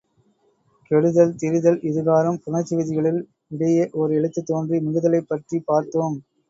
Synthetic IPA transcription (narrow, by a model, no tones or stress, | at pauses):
kɛɻɯðɐlt̪ɪɾɯðɐlʔɪðɯɣaːɾɐmpʊnɐt͡ʃːɪʋɪðɪɣɐɭɪl | ɪɽɐjɐʔɔɾɯɛɭɯt̪ːɯt̪ːoːndrimɪɣɯðɐlɐɪpːɐʈripaːɾt̪oːm